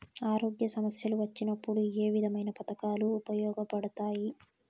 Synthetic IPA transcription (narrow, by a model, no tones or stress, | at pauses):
aːɾo̞ːɡjɐsɐmɐsjɐluʋɐt͡ʃːinɐpːuɽue̞ːʋid̪ʱɐmɐjnɐpɐt̪ɐkaːluːpɐjɔːɡɐpɐɽɐt̪aːji